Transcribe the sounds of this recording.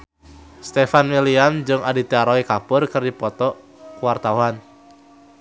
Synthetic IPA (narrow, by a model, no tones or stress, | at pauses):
st̪ɛfanmiliamd͡ʒɨŋadit̪iaɾɔikapʊrkɨrdipɔt̪ɔ | kuwart̪auan